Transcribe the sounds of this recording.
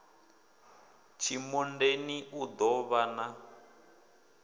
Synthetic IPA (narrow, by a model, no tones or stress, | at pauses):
t͡ʃʰimundeniʔud̪ɔβana